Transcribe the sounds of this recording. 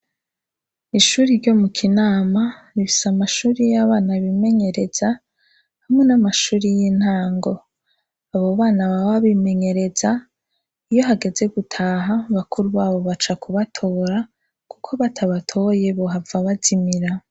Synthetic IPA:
iʃuːɾiɾɟo̞mukʰinaːmanifi̥samaʃuːɾijaβaːnaβime̞ɲe̞ɾe̞z̥a | hamŋe̞namaʃuːɾijin̥haːŋɡo̞ | aβo̞βaːnaβawaβime̞ɲe̞ɾe̞za | ijo̞ɦaɡe̞ze̞ɡutʰaːɦaβakʰuɾuβaːβo̞βat͡ʃakuβatʰo̞ːɾa | kukʰo̞βatʰaβatʰo̞je̞βoɦavaβazimiɾa

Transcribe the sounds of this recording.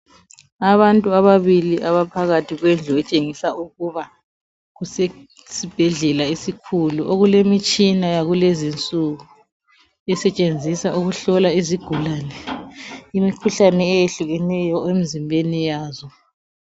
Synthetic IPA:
aβantʼuaβaβiliʔaβapʰaɣatʰiɣwɛnd͡ɮʱuɛt͡ʃʼeŋisaʔuɣuβa | ɣusɛ | sib̥ʱɛɮɛlaisikʰuluʔoɣulemit͡ʃʼinajaɣulezint͡sʼuɣu | ɛsɛt͡ʃʼend͡zʱisaʔuɣuɬɔlaiziɡ̥ʱulaːnɛ | imikʰuɬanɛːjeɬuɣɛnɛjɔem̩zimbʱenijaːzɔ

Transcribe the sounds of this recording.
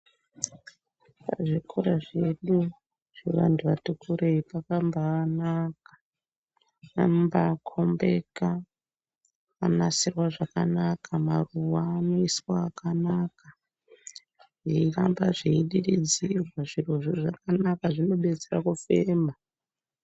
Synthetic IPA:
pa̰ʐikʰoɾaʐe̞ɗu | ʐ̥eʋa̰ntʰuʋatukʰuɾeipakambaanakḁ | ambakʰo̞mbe̞ka | anasirwaʐakanakʰamaruwaːnoiswaːkanaka | ʐiirambaʐiiɗiɗid͡zirwaʐirwoʐiʐakanakaʐino̞ɓe̞d͡zerakufe̞ːma

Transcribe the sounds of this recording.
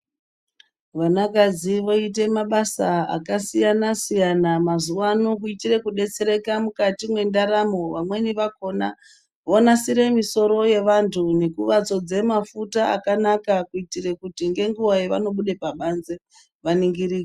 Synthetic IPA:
ʋanakad͡ziʋo̞it̬e̞maɓasaa̰kasijanasijanamazuwanok̬uitire̞kuɗe̞t͡se̞ɾe̞kamukatimwe̞ndaɾamo̞ʋamwe̞niʋako̞na | ʋonasiɾe̞miso̞ɾo̞je̞ʋantʰune̞kuʋat͡so̞d͡ze̞mafutaa̰kanakakuitire̞kutiŋɡe̞ŋɡuwajeʋa̰no̞ɓuɗe̞paɓanze | ʋaniŋɡiɾiːke

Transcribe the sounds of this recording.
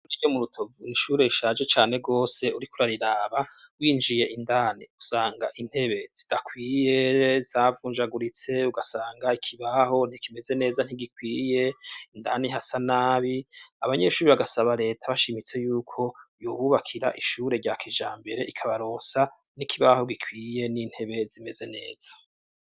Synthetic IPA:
nijomuɾutʰo̞vuniʃuːɾe̞iʃaːd͡ʒe̞t͡ʃaːne̞ɡo̞ːse̞uɾikuɾaɾiɾaːβa | wiːnd͡ʒije̞ʔindaːniusaːŋɡa̰ʔin̥he̞βe̞z̥id̥akwiːje̞zaːvuːnd͡ʒaɡuɾit͡se̞uɡasaːŋɡaikʰiβaɦo̞n̥ikime̞ze̞ne̞ːzan̥hiɡikwiːje̞indaːniɦasanaːβiaβaɲe̞ʃuːɾiβaɡasaβaɾe̞ːtʰaβaʃimit͡se̞juːkʰo̞joβuβakʰiɾa̰ʔiʃuːɾe̞ɟaːkiʒaːmbe̞ɾe̞ʔikʰaβaɾoːnsa | nikʰiβaho̞ɡikʰwiːje̞niːn̥he̞βe̞zime̞ze̞ne̞̰ːz̥ḁ

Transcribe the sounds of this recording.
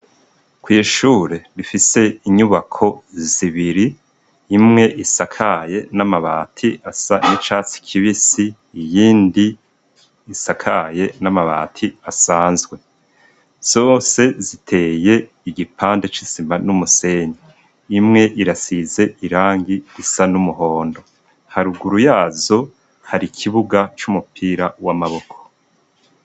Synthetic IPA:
kwiːʃuːɾe̞ɾifise̞iɲuβakʰo̞ziβiɾiː | mŋe̞ʔisakʰaje̞namaβa̰ːtʰiasanit͡ʃaːt͡si̥kʰiβisiː | jiːndiː | sakʰaje̞namaβa̰ːtʰiasaːnzɡwe̞ | z̥o̞ːse̞zitʰe̞ːje̞ | iɡipʰaːnde̞t͡ʃisimanumuse̞ɲiː | mŋe̞ʔiɾasize̞ʔiɾaːŋɡiɾisanumuɦo̞ːndo̞ | haɾuɡuɾujaːzo̞ | haɾikʰiβuɡat͡ʃumupʰiːɾawamaβo̞kʰo̥

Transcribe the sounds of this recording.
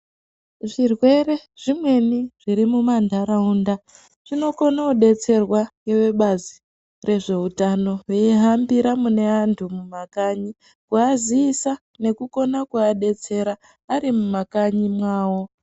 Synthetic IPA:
ʐirwe̞re̞ʐ̥imwe̞niʐ̥iɾimumandʱaɾaunda | ʐ̥ino̞ko̞nauɗe̞t͡se̞rwaŋewe̞ɓazi | re̞ʐe̞utano̞weiɦambiɾamune̞antʰumumakaɲi | kuaziːsa | ne̞kuko̞nakuaɗe̞t͡se̞ɾaː | ɾimumakaɲimwaːwo̞

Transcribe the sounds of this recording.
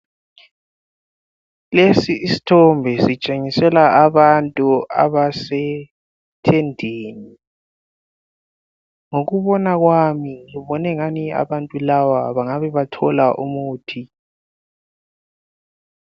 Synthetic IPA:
lesiʔisi̥tʰɔmbʱɛsit͡ʃʼeŋisɛlaaβantʼua̰βasɛ | tʰɛndʱeːni | ŋoɣuβɔnaɣwamiŋiβɔnɛŋania̰βantʼulawaβaŋaβɛβatʰɔlaʔumuːtʰi

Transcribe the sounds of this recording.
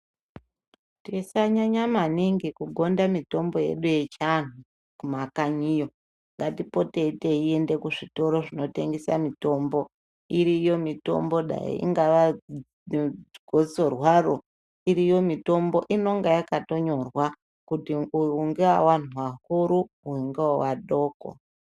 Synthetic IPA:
tiisaɲaɲamaniŋɡikuɡʱo̞ndamito̞mbo̞jḛɗuje̞t͡ʃan̤u | kumakaɲijo̞ | ŋɡatipo̞te̞ite̞ie̞nde̞kuʐito̞ɾo̞ʐino̞te̞ŋɡesa̰mito̞mbo̞ | iɾijo̞mito̞̰mbo̞ɗa̰jḭḭŋɡaʋa | ɡ̥ʱoso̞rwaro | iɾijo̞mito̞mbo̞ʔino̞ŋɡajakato̞ɲo̞rwa | kutiuuŋɡewawan̤uwahuɾu | uiŋɡewawaɗo̞ːko̰

